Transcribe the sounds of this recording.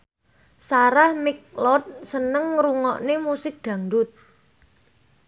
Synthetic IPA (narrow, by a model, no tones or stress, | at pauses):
saɾahmɪk̚lɔt̪̚sənəŋɾuŋɔ̰ʔnemusɪk̚d̪̥ä̤ŋɖʊt̪̚